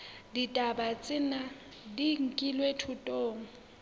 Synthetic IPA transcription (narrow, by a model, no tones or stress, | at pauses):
ditʼabat͡sʼɪna | diŋ̩kʼilwetʰʊtʼoːŋ̩